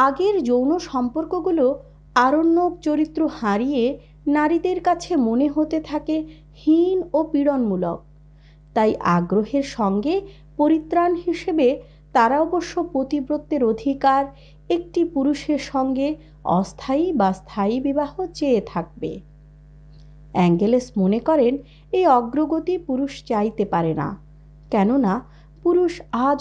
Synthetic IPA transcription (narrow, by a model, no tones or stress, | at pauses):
aɡeɾd͡ʑownoʃɔmpoɾkoɡulo | aɾonːok̚t͡ɕoɾit̪ːɾohaɾije | naɾid̪eɾkat͡ɕʰemoneɦot̪et̪ʰake | hinopiɽonmulok̚ | t̪ajʔaɡɾoɦeɾʃɔŋɡe | poɾit̪ːɾanɦiʃebe | t̪aɾaɔboʃːopɾot̪ibɾot̪ːeɾod̪ʱikaɾ | ek̚ʈipuɾuʃeɾʃɔŋɡe | ɔ̰st̪ʰajbast̪ʰaibibaɦot͡ɕeet̪ʰak̚bḛ | ɛŋɡelesmonekɔɾen | ejɔɡɾoɡot̪ipuɾuʃt͡ɕajt̪epaɾena̰ | kɛnona | puɾuʃa